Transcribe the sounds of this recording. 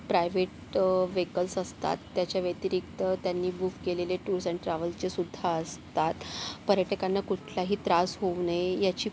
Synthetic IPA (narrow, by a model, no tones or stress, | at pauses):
pɾajʋeʈ | ʋekəlsəst̪a̰t̪ːjat͡ɕjaʋet̪iɾikt̪ət̪janːiːbukːeleleʈuɾsəɳʈɾaʋəlt͡ɕesud̪ʱːaəst̪at̪pəɾjəʈekanːakuʈʰlaɦiːt̪ɾasɦonəjat͡ɕiː